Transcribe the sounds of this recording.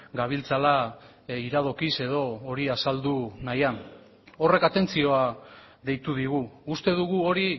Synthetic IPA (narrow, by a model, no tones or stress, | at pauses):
ɡaβ̞ilt͡sala | iɾað̞okise̞ð̞o̞ːɾiasald̪unajan | o̞re̞kat̪e̞nt͡sio̞a | ðe̞jt̪uðiɣ̞uust̪e̞ðuɣ̞uo̞ɾi